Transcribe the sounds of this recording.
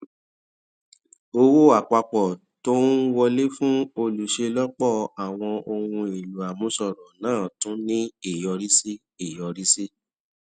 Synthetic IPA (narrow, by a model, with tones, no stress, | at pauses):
o˧wo˦a˨k͡pa˧k͡pɔ˨ | to˦wɔ˧le˦fũ˦o˧lu˨ʃe˧lɔ˦k͡pɔ˦˨a˨w̃ɔ̃˧o˧hũ˧e˨lu˨a˨mũ˨˦sɔ˦˨ɾɔ̃˨nãː˦˨tũ˨˦nĩ˦i˦˨jɔ˧ɾi˦si˦ | i˦˨jɔ˨˧ɾi˦si˦